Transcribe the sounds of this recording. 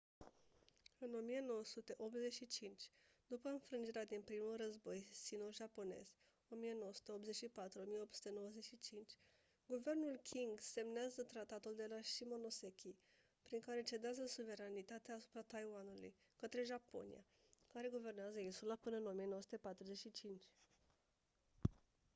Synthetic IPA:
ɨno̞mijeno̞wəsut̪e̞ʔo̞p̪ze̞ʃit͡ʃint͡ʃʲd̪̥upəɨnfɾɨnd͡ʒiɾead̪inpɾimulrəzbo̞jsinoʒapo̞ne̞̰z̥ | o̞mije̞no̞wosu̥t̪e̞opze̞t͡ʃʃipat̪ɾuo̞mije̞opt̪su̥t̪e̞no̞wəze̞ʃit͡ʃint͡ʃʲ | ɡuve̞rnulkʲʰiŋɡse̞mneazət̪ɾat̪at̪uld̪e̞laʃimo̞no̞sekʲʰi | pɾiŋkaɾe̞t͡ʃe̞d̪eazəsuve̞ɾanit̪at̪eaːsu̥pɾat̪ajwanulṵj | kət̪ɾe̞ʒapo̞̰nḭja̰ | kaɾe̞ɡuve̞rneazəinsulapɨnəɨno̞mijenowəsut̪e̞pat̪ɾuzet͡ʃʃit͡ʃint͡ʃʲ

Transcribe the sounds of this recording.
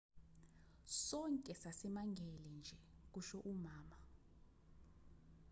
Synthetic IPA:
sɔŋkʼɛsasimaŋɡʱɛlɛnd͡ʒʱɛk̬uʃɔʔumaːma

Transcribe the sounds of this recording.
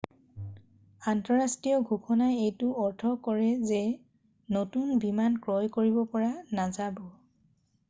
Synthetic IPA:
antɔɹastɹijɔɡʱuxʰɔnajejtʊɔɹtʰɔkɔɹɛzɛ | notunbimankɹɔjkoɹibɔpɔɹanazabɔ

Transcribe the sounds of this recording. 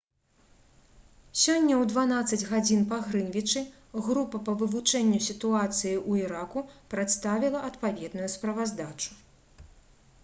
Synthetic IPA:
sʲɔnʲːɐwd̪van̪at̪sːɐd͡zʲɣad͡zʲinpaɣɾɨnvʲit͡ʂɨ | ɣɾupɐpɐvɨvut͡ʂɛnʲːusʲit̪uat̪sɨjiʔuiɾakupɾat̪st̪avʲilˠɐʔɐt̪pavʲɛd̪nujuspɾɐvazd̪at͡ʂu̥

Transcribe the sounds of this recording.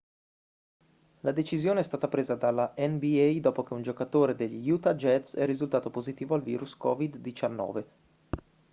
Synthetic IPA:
lad̪et͡ʃizjoːneɛst̪aːt̪apɾeːzad̪alːaʔɛnbiɛjd̪oːpok̟eund͡ʒokat̪oːɾed̪eʎːijut̪ad͡ʒɛt̪sɛrːizult̪aːt̪opozit̪iːvoalvḭːɾuskɔvid̪ːit͡ʃanːɔ̰ːve

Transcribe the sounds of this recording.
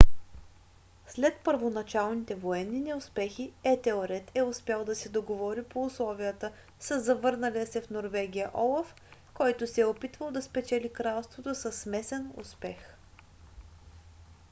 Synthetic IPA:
slɛt̪pəɾvonɐt͡ʃalˠnit̪ɛvoɛnːinɛʊspɛxiɛt̪ɛoɾɛt̪ɛʊspjalˠd̪ɐsɛd̪oɡovɔɾipoʊslˠɔvijət̪ə | səzːɐvɤɾnəliəsɛfnoɾvɛɡ̟ʲijəʔɔlˠɐf | kɔjt̪ʊsɛɛopit̪vəlˠd̪ɐspɛt͡ʃɛlikɾalˠst̪vot̪osəsmɛsɛnʊ̰spɛx

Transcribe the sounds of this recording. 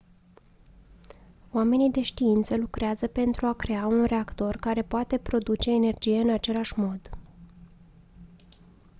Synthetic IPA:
oame̞nid̪e̞ʃt̪iint̪səlukɾeazəpe̞nt̪ɾuakɾe̞aunre̞akt̪o̞rkaɾe̞poat̪e̞pɾo̞d̪ut͡ʃe̞ːne̞rd͡ʒije̞ɨnat͡ʃe̞laʃmo̞d̪

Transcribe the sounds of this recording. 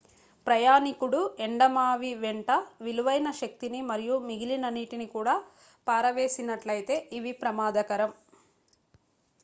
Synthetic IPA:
pɾɐjaːnikuɽueɳɖɐmaːʋiʋeɳʈɐʋiluʋɐjnɐʃɐk̚t̪inimɐɾijumiɡilinɐnːiʈinikuːɽaː | paːɾɐʋe̞ːsinɐʈlɐjit̪e̞ːʔiʋipɾɐmaːd̪ɐkɐɾɐm

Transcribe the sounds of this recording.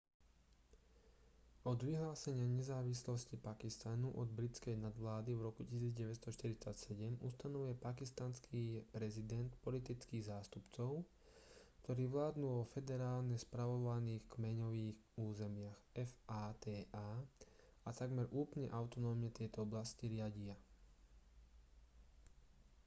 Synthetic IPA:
ɔd̪ʋiɦlaːsɛɲɪaɲɛzaːʋislɔscipakist̪anuʔɔd̪bɾit͡skɛjnad̪ʋlaːd̪ivɾɔkucisiːd͡zɟɛʋɛt͡sst̪ɔʃt̪iɾit͡sacsɛɟɛmust̪anɔʋujɛpakist̪anskʰiːpɾɛzid̪ɛnt̪pɔlit̪it͡skiːɣzaːst̪upt͡sɔʊ | kt̪ɔɾiːʋlaːd̪nuːɔfɛd̪ɛɾaːlɲɛspɾaʋɔʋaniːxkmɛɲɔʋiːxuːzɛmɪaxɛfaːt̪ɛːaː | at̪aɡmɛɾʔuːplɲɛʔaʊt̪ɔnɔːmɲɛt̪ɪɛt̪ɔɔblasciɾɪaɟia

